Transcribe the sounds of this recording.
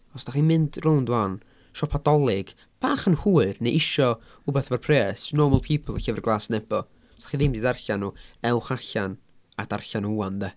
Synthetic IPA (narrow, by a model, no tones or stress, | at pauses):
ɔsd̥aχiːmɪndrowndwan | ʃɔpʰadɔlˠɪɡ̥ | b̥aːχənhuːɨrnejʔɪʃɔ | ʊbɛθvarpʰreːsnɔrməlˠpʰiːpʰəlˠəɬəvɛrɡlˠaːsənɛbɔ | sdḁχiːðɪmdiːdarɬanuːɛwχaɬan | ad̥arɬanuanðɛ